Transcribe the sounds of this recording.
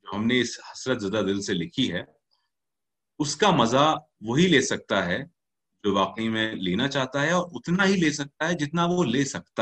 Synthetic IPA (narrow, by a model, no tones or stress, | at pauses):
d͡ʒoːɦɐmneɪshɐsɾət̪zɐd̪ad̪ɪlselɪkʰiɦɛ | ʊskamɐza | ʋoɦileːsɐk̚t̪aɦɛ | d͡ʒoːʋaːqəimẽleːnat͡ʃaːɦt̪aɦɛɔːɾʊt̪naɦileːsɐk̚t̪aɦɛd͡ʒɪt̪naʋoleːsɐk̚t̪a